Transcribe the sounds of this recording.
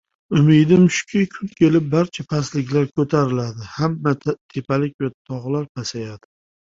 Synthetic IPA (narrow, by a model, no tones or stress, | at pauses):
ʊmɪjd̪ɪmʊʃkʲʰɪkʲʰʊnkʲʰe̞lɪp̚baɾt͡ʃʰapʰaslɪkʲlaɾkʰɵt̪ʰaɾɪlad̪ɪhamːat̪ʰe̞palɪk̚ʲvat̪ʰɒʁlaɾpʰasajad̪̥ɪ